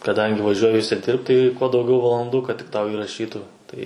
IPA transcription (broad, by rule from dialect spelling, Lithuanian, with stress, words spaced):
kɐˈdɐŋʲɡʲɪ ʋɐˈʒʲuɔjɪ ʊʃʲsʲɪˈdʲɪrpt tɐɪ kuɔ dɐʊˈɡʲɛʊ ʋɐlˠɐnˈduː kɐt tʲɪk ˈtɐʊ ɪrɐˈʃʲiːtuː ˈtɐɪ